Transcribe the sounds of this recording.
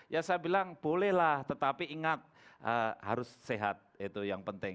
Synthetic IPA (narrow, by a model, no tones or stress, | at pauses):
jasajabilaŋb̥olɛhlaht̪ət̪apiiŋat̪̚ | ʔəha̰ɾʊsːeɦat̪̚it̪ujaŋpənt̪ɪŋ